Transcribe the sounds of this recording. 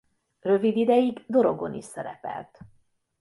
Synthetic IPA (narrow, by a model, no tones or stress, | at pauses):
rø̞vid̪id̪ɛjiɡd̪o̞ɾo̞ɡo̞nḭʃsɛɾɛpɛ̰lt̪